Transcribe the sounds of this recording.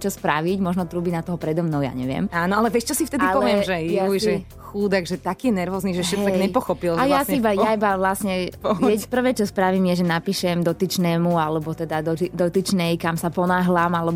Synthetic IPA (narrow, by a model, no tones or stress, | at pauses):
t͡ʃɔspɾaʋicmɔʒnɔt̪ɾuːbinat̪ɔɦɔpɾɛd̪ɔmnɔʊja̰ːɲɛ̰ʋɪɛ̰maːnɔalɛvjɛʃt͡ʃɔsift̪ɛd̪ialɔʋɪɛmʒɛjjaujʒɛ | xuːd̪aɡʒɛt̪akiːjɛnɛɾʋɔːzniʒɛʃɛɦ̪ɛɲɛpɔxɔpilʒɛɛjlasiibajaibaʋlasɲɛpɔɛpr̩ʋɛːt͡ʃɔspɾaʋimjɛʒɛnapiːʃɛmd̪ɔt̪it͡ʃnɛːmualɛbɔt̪ɛd̪ad̪ɔid̪ɔt̪it͡ʃnɛjkamsapɔnaːɦlaːmalɛb